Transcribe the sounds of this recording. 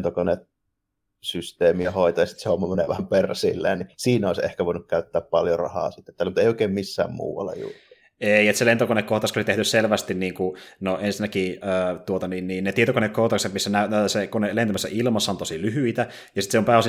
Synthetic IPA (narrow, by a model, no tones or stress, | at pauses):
t̪okonet̪̚ | syst̪eːmiɑhoˑit̪ɑjɑsi̥t̪sehomːɑmenḛˑʋæhæmpersḭlːḛːnisiːnoˑisḛhkæʋoˑinukkæyt̪ːæːppɑljorɑ̰hɑ̰ːsit̪ːet̪ːælːmut̪eˑioˑikeˑːmmisːæ̰ːmmṵːʋɑ̰lːḛjṵːri | eiet̪selent̪okonekːoht̪ɑskolit̪eht̪ysselʋæst̪inniːŋkunoʔensinːækiəːt̪uot̪ɑniːnniːnnet̪iet̪okonekkoht̪ɑkset̪misːænæːsekonelent̪æmæsːæ̰ʔilmɑsːɑnt̪osilyɦyit̪æ | jɑsit̪seompæːos